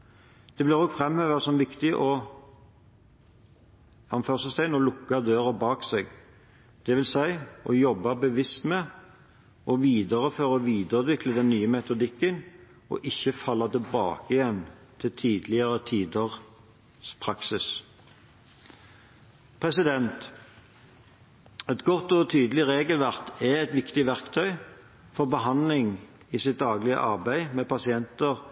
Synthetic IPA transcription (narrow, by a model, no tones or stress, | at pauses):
d̪̥ɛbliːʁɔːɡfʁɛmhøʋəsɔmʋɪkt̪ɪʔɔ | ɑnføːʁsəst̪æɪnɔlʊkːɑd̪øːɾəbɑːkseːɡ | d̪̥ɛʋɪlsæɪɔjɔbːɑbəʋɪst̪mɛ | ʔɔʋiːd̪əʁəføːʁɔʋiːd̪əʁd̪ʋɪkləd̪ɛnːyːəmɛt̪ʊd̪ɪkːən | ɔ̰ʔɪçːəfɑlːɑt̪ɪlbɑ̰ːkɪjɛnt̪ʰɪlt̪ʰyːd̪lɪəʁət̪ʰiːd̪əʁ | spʰʁɑksɪs | pʰʁɛsɪd̪ɛnt̪ | ɛt̪ɡɔt̪ːɔt̪ʰyːd̪əl̩ɪʁeːɡəlʋæʁt̪ɛɛt̪ʋɪkt̪ɪʋæʁkt̪ʰœʏ | fɔʁbəɦɑnlɪŋ | ɪsɪt̪̚d̪ɑːɡlɪə̰ʔɑʁbæɪmɛpɑsɪɛnt̪əʁ